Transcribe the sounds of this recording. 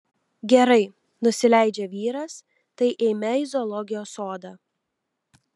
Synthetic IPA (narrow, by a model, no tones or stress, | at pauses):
ɡʲɛɾɐɪ | nʊsʲɪlʲæˑɪd͡ʒʲɛʋʲiːɾɐs | t̪ɐɪʔeːmʲɛɪzɔlˠɔɡʲɪjoːsoːd̪ɑː